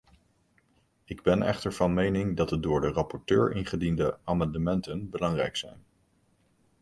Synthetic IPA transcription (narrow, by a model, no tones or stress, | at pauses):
ɪɡbɛnɛ̰χtəɹv̥ɑnmejnɪŋdɑt̚dədʊːɹdərɑpɔɹtøːɹɪ̰nχədindəaːmɑndəmɛntənbəlɑŋrɛjksɛ̰jn